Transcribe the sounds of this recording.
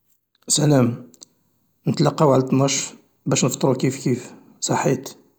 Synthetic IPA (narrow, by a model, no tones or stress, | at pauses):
sælæm | nət̪lɑqːɑwʕalæt̪nɑʃ | bæʃnəft̪ˤɾukifkif | sˤɑħːit̪